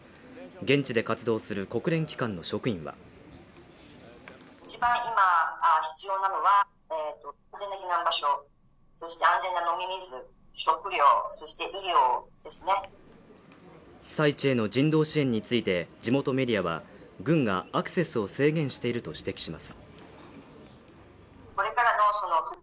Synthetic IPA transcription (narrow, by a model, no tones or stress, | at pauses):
ɡẽ̞ɲ̟t͡ɕid̪e̞kat͡sɨd̪o̞ːsɨɾɯ̟ko̞kɯ̟ɾẽ̞ŋkʲi̥kãnːo̞ɕo̞kɯ̟ĩɰ̃βa̰ | it͡ɕibãɰ̃imaaçi̥t͡sɨjo̞ːnano̞βa | et̪ːoãnze̞nakʲinãmbaɕo̞ | so̞ɕi̥t̪e̞ãnze̞nːano̞mʲimʲizɨ | ɕo̞kɯ̟ɾʲo̞ːso̞ɕi̥t̪e̞ʔiɾʲo̞ːd̪̥e̞sɨne̞ | sait͡ɕieno̞d͡ʑĩnd̪o̞ːɕiẽ̞ɲ̟ːit͡sɨit̪e̞d͡ʑimo̞t̪o̞me̞ɾʲijaβa̰ɡɯ̟̃ŋɡaːkɯ̟̥se̞sɨo̞se̞ːɡẽ̞ɰ̃ɕi̥t̪e̞iɾɯ̟t̪o̞ɕi̥t̪e̞kʲi̥ɕimasɨ̥ | ko̞ɾe̞kaɾano̞so̞no̞